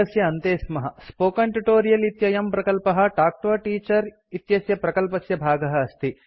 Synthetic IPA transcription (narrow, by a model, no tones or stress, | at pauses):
ɐsjɐːnt̪eːsmɐɦɐspoːkɐɳʈuʈoːɾijɐlit̪jɐjɐmpɾɐkɐlpɐɦɐ̆ʈaːk̚ʈoːʈiːt͡ʃɐɾ | it̪jɐsjɐpɾɐkɐlpɐsjɐbʱaːɡɐɦɐːst̪i